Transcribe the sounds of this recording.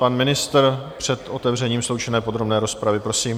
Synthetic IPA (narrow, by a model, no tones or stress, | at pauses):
panmɪnɪst̪rpr̝̥ɛt̪ʔo̞t̪ɛvrɛɲiːmslo̞wt͡ʃɛnɛːpod̪ɾo̞bnɛːɾo̞spɾavɪpɾo̞siːm